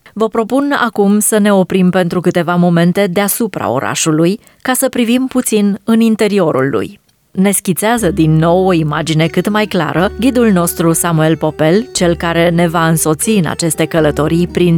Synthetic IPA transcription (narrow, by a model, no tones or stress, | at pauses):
vəpɾo̞puna̰kumsəne̞o̞pɾimpe̞n̪t̪ɾukɨt̪e̞vamo̞me̞nt̪e̞d̪easupɾa̰o̞̰ɾa̰ʃuluj | kasəpɾivimput̪sinɨnint̪e̞ɾio̞ɾṵlːṵj | ne̞skʲint̪seazəd̪inːo̞wo̞imad͡ʒine̞kɨt̪majkla̰ɾʔəɡʲid̪ulno̞st̪ɾusamue̞lpo̞pe̞lt͡ʃe̞lkaɾe̞ne̞vaɨnso̞t̪siɨna̰t͡ʃe̞st̪e̞kələt̪o̞ɾijpɾin